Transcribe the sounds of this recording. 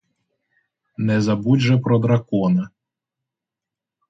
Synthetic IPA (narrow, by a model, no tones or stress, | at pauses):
nɛzɐbudʲʒɛpɾɔd̪ɾɐkɔnɐ